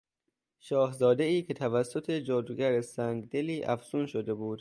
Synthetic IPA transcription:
ʃɒːhzɒːd̪e̞iːkʰe̞t̪ʰævæsːo̞t̪ʰe̞d͡ʒɒːd̪uɡæɾesæŋɡd̪e̞liːʔæ̰fz̥uːnʃod̪e̞buːd̪̥

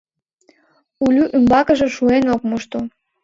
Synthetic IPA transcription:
ulʲyʔymbɑkəʒĕʃuenok̚muʃt̪o

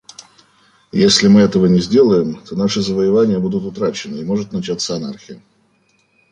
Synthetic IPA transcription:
jesʲlʲɪmɨɛt̪əvənʲɪzʲdʲe̞lˠəjɪmt̪o̞naʂɨzəvəjɪvanʲɪjəbud̪ʊt̪ʊt̪ɾat͡ɕɪnɨɪmo̞ʐɨt̪nɐt͡ɕat̪sːəɐnarxʲɪjɪ̰

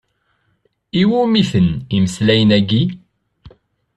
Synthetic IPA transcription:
iwumiθəniməslæjənæɡi

